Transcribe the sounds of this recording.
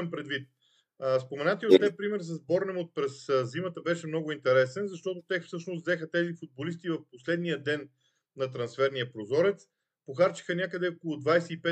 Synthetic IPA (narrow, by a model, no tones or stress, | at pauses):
mpɾɛd̪vit̪̚ | əspomɛnat̪iot̪ːɛpɾimɛɾs̬əzbɔɾnɛmot̪̚pɾɛszimət̪əbɛʃɛmn̪ɔɡʊint̪ɛɾɛsɛnzɐʃt̪ɔt̪ot̪ɛfsɤʃnosd̪zɛxət̪ɛzifud̪̚bolist̪ivɐfposlɛd̪nijəd̪ɛn | nɐt̪ɾɐnsfɛɾniəpɾozɔɾɛt̪s | poxaɾt͡ʃə̥xənʲakəd̪ɛɔkʊlˠʊd̪vajsɛipɛ